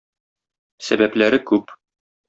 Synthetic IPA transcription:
sæ̰bæplæɾɘkʉp

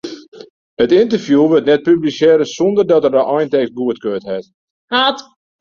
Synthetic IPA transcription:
hətɪntərfjuʋøtnɛt̚pybliseːɾəsɔndərdɔtərdəʔɔjntɛks̚ɡuətkøːtɦɛt | hat

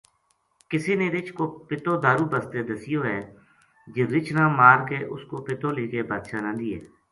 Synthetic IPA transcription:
kɪsiːneːɾɪt͡ʃʰkoːpɪt̪oːd̪aːɾuːbəst̪eːd̪əsɪjoːɦɛː | d͡ʒɪɾɪt͡ʃnãːmaːɾkeːʔʊskoːpɪt̪oːliːkeːbaːd̪ʃaːnãːd̪iːɦɛ̰ː

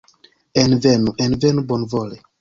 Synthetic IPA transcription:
envɛnuʔɛnvɛnubɔnvɔle

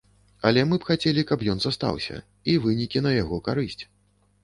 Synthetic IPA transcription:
ɐlʲɛmɨpxat͡sʲelʲikɐpjɔnzast̪a̰wsʲɐ̰ | ivɨnʲikʲinɐjaɣɔkaɾɨsʲt͡sʲ

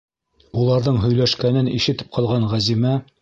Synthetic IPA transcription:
ulˠɑɾðɤɴɦɵ̆jlæʃkænɘniʃɘ̆t̪ɘ̥p̚qʰɑlˠʁɑɴʁæzimæ

